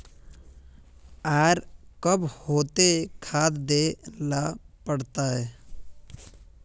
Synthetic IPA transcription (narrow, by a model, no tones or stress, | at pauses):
aːɾkəbhoːt̪ekʰaːt̪d̪eːlapəɽt̪aɦɛː